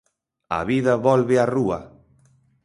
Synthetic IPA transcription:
a̰βiðɐβɔlβɪaruɐ

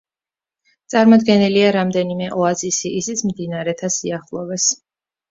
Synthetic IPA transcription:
t̪sʼaɾmɔd̪ɡɛniliaɾamd̪ɛnimɛʔɔazisiisit̪sʰmd̪inaɾɛt̪ʰasiaχlˠɔvɛs

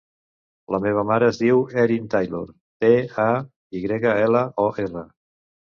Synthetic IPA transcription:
ləmeβ̞əmaɾəːzðiwɛɾint̪ajlo̰ɾ | t̪ea | iɣɾɛɣəɛləʔɔʔerə

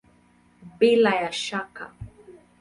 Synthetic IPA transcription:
bilajaʃaka̰

